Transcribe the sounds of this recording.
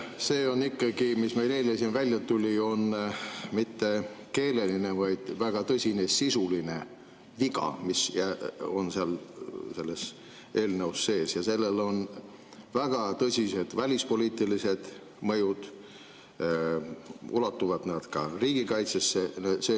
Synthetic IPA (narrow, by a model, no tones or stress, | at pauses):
se̞ːo̞nːikːɑɡ̥imisme̞jle̞ːlesinvælʲjɑt̪ulʲio̞nmit̪ːe̞ke̞ːle̞line̞vɑjd̪̥væɡ̥ɑt̪ɤsʲine̞sisuline̞ | viɡɑ̰misjæo̞̰nseɑlse̞lːe̞s | ʔe̞ːlnəwsːe̞ːsjɑse̞lːe̞lo̞n | væɡ̥ɑt̪ɤsʲise̞d̪̥vælʲispo̞liːt̪ːˑilise̞d̪̥ | mɤjud̪̥ | ulɑt̪ːuvɑd̪̥næd̪̥kɑriːɡ̥ikɑjt̪sesːeseː